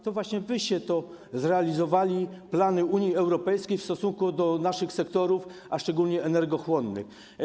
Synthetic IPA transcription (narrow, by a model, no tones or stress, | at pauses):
t̪ɔvwaɕɲɛvɘɕɛt̪ɔ | zɾɛalʲizɔvalʲiplanɘuɲjiɛwɾɔpɛjskʲejfst̪ɔsuŋkud̪ɔnaʂɘxsɛkt̪ɔɾufaʂt͡ʂɛɡulʲɲɛʔɛnɛɾɡɔxwɔnːɘ̰x